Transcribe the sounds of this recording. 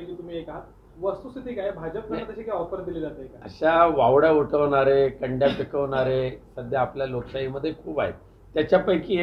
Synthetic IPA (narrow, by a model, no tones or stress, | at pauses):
kiːt̪um̤iːekaa | ʋəst̪usit̪ʰiːkajbʱad͡ʑəp̚kʰəɽat̪əɕiːkaɔfəɾd̪iled͡zat̪əekaə̰ɕaʋaʋɽauʈʰəʋɳaɾekəɳɖjapikʰəʋɳaɾesəd̪ʱjaːpljaloksaiməd̪ʱːjekʰuːba̰ɦḛt̪ | t̪ːjat͡ɕjapəjkiːɦe